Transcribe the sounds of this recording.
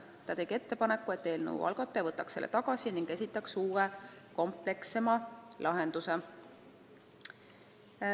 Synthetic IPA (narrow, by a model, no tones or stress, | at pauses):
t̪ɑt̪e̞ɡie̞t̪ːe̞pɑnekːˑue̞t̪ːeːlnṵwʔɑ̰lɡ̥ɑt̪ːˑevɤt̪ːˑɑkse̞lʔḛt̪ɑɡ̥ɑsiniŋɡ̥e̞sʲit̪ːˑɑksuːeko̞mple̞kse̞mɑlʔɑɦend̪̥use̞